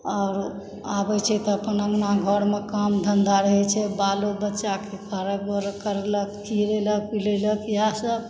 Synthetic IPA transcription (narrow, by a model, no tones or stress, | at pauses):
ɔːɾ | abɛt͡ʃʰɛt̪ɔəpənəmnaɡʱəɾmekəmd̪ʱənd̪aɾəɦɛt͡ʃʰɛbalobətːʃakekəɾəkəɾkəɾelək̚kiɾelək̚pileləkjɦasəb